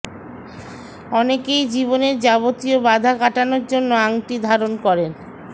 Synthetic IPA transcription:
ɔnekejd͡ʑiβoneɾd͡ʑabot̪iobad̪ʱakaʈanoɾd͡ʑonːoaŋʈid̪ʱaɾonkɔɾen

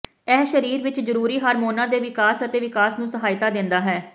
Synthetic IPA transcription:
ɛːʃəɾiːɾʋɪt͡ʃzəɾuːɾiːɦaːɾmoːnãːd̪eːʋɪkaːsət̪eːʋɪkaːsnũːsəɦaːɪt̪aːd̪ɪ̃nd̪aːɦɛː

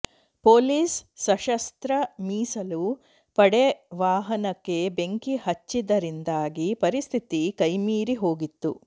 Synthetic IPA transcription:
poːliːsːɐʃɐst̪ɾɐmiːsɐlu | pɐɽeʋaːɦɐnɐkːe̞be̞ŋkihɐt͡ʃːid̪ɐɾind̪aːɡipɐɾist̪ʰit̪ikɐjmiːɾiɦo̞ːɡit̪ːṵ

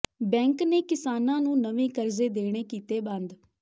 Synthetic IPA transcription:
bɛ̃ːŋkneːkɪsaːnãːnũːnəʋẽːkəɾzeːd̪eːɽ̃eːkiːt̪eːbə̃nd̪

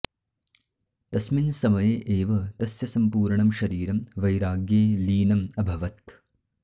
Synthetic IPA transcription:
t̪ɐsminsɐmɐjeːʔeːʋɐt̪ɐsjɐsɐmpuːɾɳɐmʃɐɾiːɾɐmʋɐjɾaːɡjeːliːnɐmɐbʱɐʋɐt̪

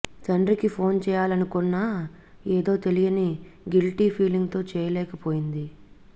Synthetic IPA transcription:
d͡ʒɐɳɖɾikipʰo̞ːnt͡ʃɛːjaːlɐnukɔnːaː | eːd̪o̞ːt̪e̞lijɐniɡilʈiːpʰiːliŋɡt̪o̞ːt͡ʃɛːjɐlɛːkɐpo̞ːjind̪i

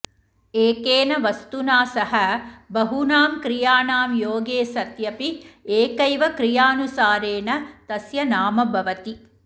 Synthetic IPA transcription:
eːkeːnɐʋɐst̪unaːsɐɦɐbɐɦunaːmkɾijaːnaːmjoːɡeːsɐt̪jɐpieːkɐjʋɐkɾijaːnusaːɾeːnɐt̪ɐsjɐnaːmɐbʱɐʋɐt̪i

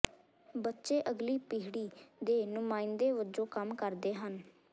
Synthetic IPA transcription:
bətːʃeːʔəɡliːpiɦɪɽiːd̪eːnʊmaːɪnd̪eːʋəd͡ʒõːkəmkəɾd̪eːɦən

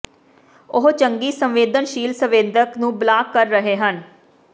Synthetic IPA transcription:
ʊɦt͡ʃəŋɡiːsəmʋeːd̪ənʃiːlsəʋẽːnd̪əknũːblaːkːəɾːəɦeːɦən

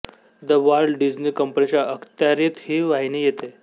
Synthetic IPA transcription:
d̪əʋaɾlɖid͡ʑniːkəmpənit͡ɕjaʔəkʰt̪jaɾit̪hiːʋaɦinijet̪e

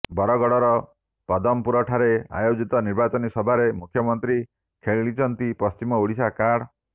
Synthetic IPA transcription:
bɔɾɔɡɔɽɔɾɔ | pɔd̪ɔmpuɾɔʈʰaɾea̰jod͡ʒit̪ɔniɾbat͡ʃɔnisɔbʱaɾemukʰjɔmɔnt̪ɾi | kʰeɭiɭit͡ʃɔnt̪ipɔst͡ʃimɔuɽisakaɽ

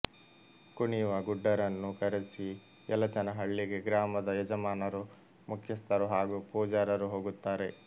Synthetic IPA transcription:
kuɳiʋɐɡuɖːɐɾɐnːukɐɾesi | ɛlɐt͡ʃɐnɐɦɐɭːiɡe̞ɡɾaːmɐd̪ɐjɛd͡ʒɐmaːnɐɾu | mukʰjɐst̪ɐɾuɦaːɡupuːd͡ʒaːɾɐɾuɦoːɡut̪ːaːɾe̞

